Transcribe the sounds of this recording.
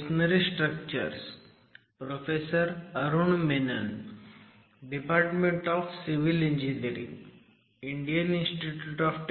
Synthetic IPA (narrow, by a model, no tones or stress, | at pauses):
snɐɾisʈɾək̚t͡ʃə̰ɾs | pɾofʰesəɾɐɾuɳmenɐ̰n | ɖipaːɾʈmẽɳʈɔːfsiʋiliɲd͡ʒiniəɾḭ̃ŋ | iɳɖijəninsʈiʈjuʈɔfʈ